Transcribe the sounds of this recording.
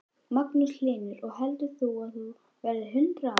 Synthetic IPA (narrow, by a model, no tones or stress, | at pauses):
maknʏslɪːnɪɾɔɣɦɛlt̪ʏθuaðθu | vɛɾðɪɦʏnt̪ɾa